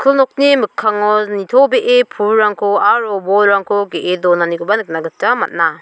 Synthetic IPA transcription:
kʰɯlnɔk̚nimɯkʰːaŋɔnit̪ʰɔbeʔepʰuɾaŋkʰɔaɾɔbɔɾaŋkʰɔɡeʔedɔnaniɡɔbanɯk̚naɡɯtama̰t̚na

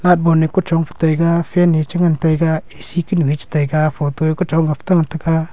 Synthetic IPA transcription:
lat̚bonikot͡ʃɔŋpə̥t̪əjɡafɛnit͡ʃaŋant̪əjkaesikinuwit͡ʃi̥t̪əjkafot̪oekot͡ʃɔŋɡapə̥t̪aŋat̪aka

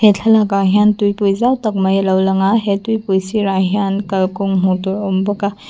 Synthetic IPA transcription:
hetʰɐlakaɦjantujpujzawtɐk̚mɐjlɐwlɐŋaɦetujpujsiɾaɦjankɐlkoŋmutuɾombɐɡa

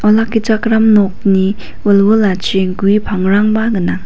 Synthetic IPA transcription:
ɔlakːit͡ʃakɾamnɔk̚ni | wolwɯlat͡ʃeŋɡuipʰaŋɾaŋbaɡɯnaŋ

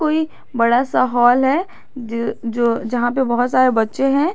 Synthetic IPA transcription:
koːi | bɐɽasaɦɔːlɦɛː | d͡ʒoːd͡ʒɐɦãpebɐɦʊt̪saːɾebɐtːʃeɦɛ̃ː

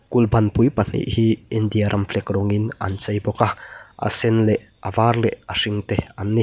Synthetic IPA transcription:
kulbɐnpujpɐn̥ḭʔhiind̪ijaɾʔɐmfʰlɛkrɔŋinɐ̰nt͡sɐjbɔkaʔɐ̰sɛnlɛʔ | ɐvaːrlɛʔɐriŋt̪ɛɐnːi

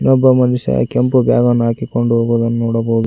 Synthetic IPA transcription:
nɔbːɐmɐniʂɐ̰kempubjaːɡɐnːaːkikoɳɖuɦoːɡuːd̪ɐnːunuːɽɐboːɡi

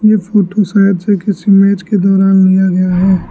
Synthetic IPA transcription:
jefʰoːʈosaːəd̪sekɪsimeːd͡ʒked̪ɔːɾaːnlijaɡɐjaɦɛː

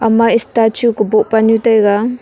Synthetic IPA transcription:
amaistat͡ʃukubɔʔpanutajɡa

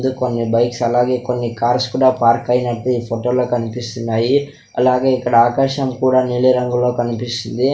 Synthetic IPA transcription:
d̪ukonːibɐjksɐlaːɡe̞ːko̞nːikaːɾskuːɽaːpaːɾkɐjinɐʈːeiːpʰoʈoːlo̞ːkɐnipist̪unːaːji | ɐ̰laːɡe̞ːikːɐɽɐaːkaːʃɐmkuːɽaːniɭiɾɐŋɡulo̞ːkɐnipist̪ind̪i

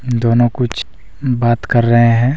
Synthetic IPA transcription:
d̪oːnõkʊt͡ʃʰ | baːt̪kɐɾːɐɦeɦɛ̃ː

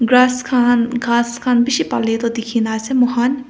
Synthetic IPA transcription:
ɡɾaːskʰaːnɡaːskʰanbiʃipa̰let̪ɔd̪ikʰinasemɔɦan

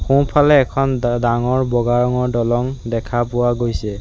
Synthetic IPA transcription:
xũpʰalɛːkʰɔndaŋɔɹbɔɡaɹɔŋɔɹdɔlɔŋdɛkʰapʊwaɡojsɛ

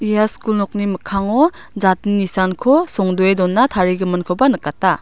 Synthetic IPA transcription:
ijaskulnɔk̚niməkʰaŋɔ | zat̚ninisankʰɔsɔŋdɔedɔnːatʰaɾiɡɯmɯnkʰɔbanɯkːatːa

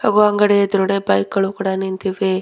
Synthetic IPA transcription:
haːɡuɐŋɡɐɽejɐd̪ɐɾuɽebɐjkɡɐɭukuːɽanint̪iʋe

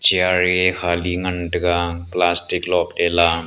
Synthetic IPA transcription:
t͡ʃiaɾekʰaliŋɐnʈəɡaplasʈiklɔp̚ela

